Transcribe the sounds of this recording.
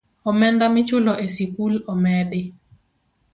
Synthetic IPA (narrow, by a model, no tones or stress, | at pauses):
ɔmɛndamit͡ʃulɔʔɛsikulɔmɛːɗɛ